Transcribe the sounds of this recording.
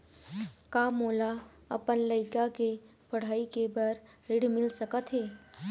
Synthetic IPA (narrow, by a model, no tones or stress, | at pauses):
kaːmoːla | ɐ̰pənlɐɪkake | pɐɽ̤aːikebɐɾ | ɾɪɽmɪlsəkət̪ɦeː